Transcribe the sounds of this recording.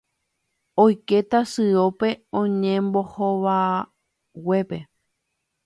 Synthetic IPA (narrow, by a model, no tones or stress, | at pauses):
ojke̞t̪asɨo̞pe̞õɲẽmbohoʋa | we̞pe̞